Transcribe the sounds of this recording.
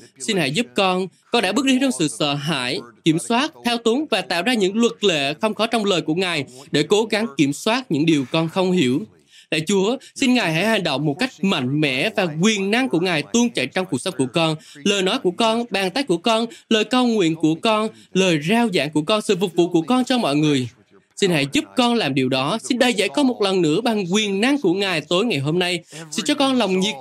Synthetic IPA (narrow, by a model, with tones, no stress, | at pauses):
si˧nha̰˧˥jzu˦˥p̚kɔ˧nkɔ˧nɗaː˧˥ɓɨ˦˥k̚ɗi˨˦t͡ɕɔ˧wŋ͡msɨ̰˧˨sə̰ː˧˨ɦa̰ː˧˥˨jki˧˩əmswaː˦˥t̚t̪ʰɛ˧wt̪u˨˦ŋvaː˨˩t̪a̰ː˧˨wzaː˧ɲɨ̰˧˥ŋlwə˨˩t̚lḛ˧˨xə˧wŋ͡mxɔ˨˦t͡ɕɔ˧wŋ͡mləː˨˩jku˧˩əŋaː˨˩jɗe˧˩ko˨˦ɣa˨˦ŋki˧˩əmswaː˦˥t̚ɲɨ̰˧˥ŋɗi˨˩əwkɔ˧nxə˧wŋ͡mhi˧˩əw | la̰ː˧˨jt͡ɕu˨˦əsi˧nŋaː˨˩jha̰˧˥jɦa˨˩jŋ̟ɗə̰˧˨wŋ͡mmːo˨˩t̚ka˦˥jk̚ma̰˧˨jŋ̟mɛ̰˧˥vaː˨˩kwi˨˩ənːa˧ŋku˧˩əŋaː˨˩jt̪ɨ˧əŋt͡ɕə̰˧˨jt͡ɕwŋ͡mku˨˩k̚sə˨˦ŋ͡mku˧˩əkɔ˧nləː˨˩jnɔ˨˦jku˧˩əkɔ˧nɓaː˨˩ŋt̪aː˦˥k̚ku˧˩əkɔ˧nləː˨˩jkə˨˩wŋwḭ˧˨ənku˧˩əkɔ˧n | ləː˨˩jzaː˧wza̰ː˧˥ŋku˧˩əkɔ˧nsɨ̰˧˨fʊ˨˩k͡p̚vṵ˧˨ku˧˩əkɔ˧nt͡ɕɔ˧mɔ̰˧˨jŋɨ˨˩əj | si˧nha̰˧˥jzu˦˥p̚kɔ˧nlaː˨˩mɗi˨˩əwɗɔ˨˦si˧nɗə˧jzə̰˧˥jkɔ˨˦mo˨˩t̚lə˨˩nːɨ̰˧˥əɓa˨˩ŋkwi˨˩ənːa˧ŋku˧˩əŋaː˨˩jt̪o˨˦jŋa˨˩jɦo˧mna˧jsḭ˧˥nt͡ɕɔ˧kɔ˧nla˨˩wŋ͡mɲi˨˩t̚